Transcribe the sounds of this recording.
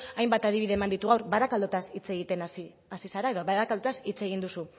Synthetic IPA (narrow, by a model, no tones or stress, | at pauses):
ajmbat̪að̞iβiðemand̪it̪uɣawɾbaðakald̪ot̪asit͡se̞ɣit̪e̞nas | asisaɾae̞ðo̞βaðakald̪ot̪asit͡se̞ɣind̪usu